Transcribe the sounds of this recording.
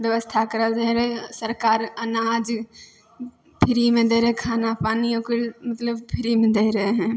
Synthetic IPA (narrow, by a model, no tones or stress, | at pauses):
bjəʋəst̪ʰakəɾəld͡ʒəɦeɾəɦesəɾkaːɾənaːd͡ʒ | pʰɪɾimẽd̪eɾəɦekʰaːnapaːniokiɽmət̪ləbpʰɪɾimẽd̪eiɾəɦeɦɛ̃